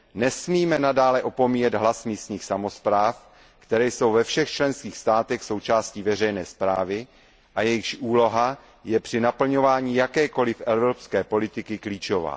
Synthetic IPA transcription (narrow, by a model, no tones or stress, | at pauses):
nɛsmiːmɛnadaːlɛʔo̞po̞miːjɛd̪ɦlasmiːst̪ɲiːxsamo̞spɾaːf | kt̪ɛɾɛːjso̞wvɛfʃɛxt͡ʃlɛnskiːxst̪aːt̪ɛxsowt͡ʃaːsciːvɛrɛjnɛːspɾaːvɪ | ʔajɛjɪʃʔuːlo̞ɦa | jɛpr̝̥ɪnapl̩ɲo̞vaːɲiːjakɛːko̞lɪfʔɛvɾopskɛːpo̞lɪt̪ɪkɪkliːt͡ʃo̞va̰ː